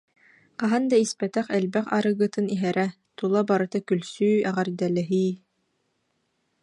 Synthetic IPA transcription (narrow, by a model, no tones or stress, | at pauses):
qɑɦand̪aispɛt̪ɛχɛlbɛχa̰ɾɯɡɯt̪ɯniɦɛɾʔɛ | t̪ulˠabaɾɯt̪akylsyːɛʁɛɾd̪ɛlɛɦiː